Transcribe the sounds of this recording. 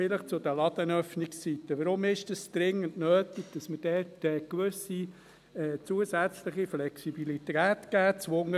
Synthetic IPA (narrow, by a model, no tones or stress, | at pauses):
ɪləχt͡sʊd̪əlɑd̥̪ənœfnɪkst͡sit̪ːəʋəɾʊmɪʃd̥ɑsd̪̥ɾɪŋːəntnøːtiɡ̥̚d̥ɑsməd̥ɛtɛːkʋʏsi | ɛːt͡suəsæt͡sləχiflɛksibilitæːtkæːt͡sʋʊŋə